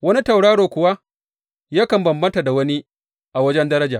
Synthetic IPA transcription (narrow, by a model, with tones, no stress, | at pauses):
wɐ˦ni˦ta˨wɽaː˦ɽoː˨kʷʊ˨wa˦ | jaː˦kɐ˨mbɐ˨mbɐ˦nta˨da˨wɐ˦ni˦ | ʔa˨wɐ˦d͡ʒɛ˦ndɐ˦ɾɐ˦d͡ʒaː˨